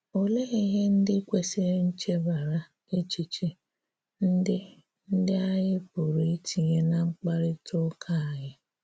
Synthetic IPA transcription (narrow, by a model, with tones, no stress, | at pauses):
o˨le˦ɣi˦ɦe˦n̩˦dɪ˦kʷe˦se˦ɾe˦n̩˦t͡ʃe˦ba˨ɾa˨ | e˦t͡ʃi˦t͡ʃi˦ | n̩˦dɪ˦ | n̩˦dɪ˦a˦jɪ˦pʊ˨ɾi˨i˦ti˨ɲe˦na˨ŋ͡m̩˦k͡pa˦ɾɪ˦tʰʊ˦kʰa˦˨a˨ɲɪ˦